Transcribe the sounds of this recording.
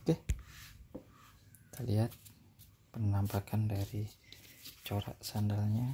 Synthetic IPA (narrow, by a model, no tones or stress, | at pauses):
k̪ɛh | t̪ʰaliat̪̚ | pənampakʰandaɾi | t͡ʃoɾa̰ʔsandalɲa